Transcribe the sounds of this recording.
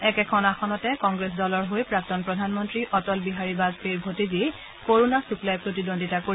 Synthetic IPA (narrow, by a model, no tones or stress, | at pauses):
ɛkɛkʰɔnaxɔnɔtɛkɔŋɡɹes̬dɔlɔɹɦojpɹak̚tɔnpɹɔdʱanmɔntɹiʔɔtɔlbiɦaɹibazpeɹbʱotizi | koɹonasuklajpɹotidondʱitakoi